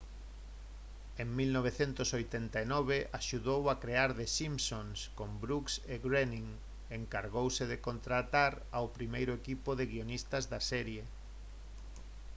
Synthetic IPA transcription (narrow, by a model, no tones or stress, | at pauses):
eŋmilnoβ̞eθent̪ʊsojt̪ent̪ainɔβeʔaʃuðowakɾeaɾðesimsonskombɾukseɣɾeniŋ | eŋkaɾɣowseðekont̪ɾat̪aɾ | awpɾimejɾʊekipoðeɣionist̪azðasɛɾje